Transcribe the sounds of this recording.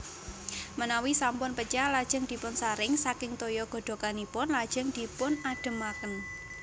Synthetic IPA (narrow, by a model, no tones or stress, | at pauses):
mənawisampʊnpət͡ʃalad̥ʒ̥əŋd̪̥i̤pʊnsaɾɪŋsakɪŋt̪ojɔɡ̥o̤ɖ̪̥o̤kanipʊnlad̥ʒ̥ə̤ŋd̪̥i̤pʊnaɖ̥ə̤makən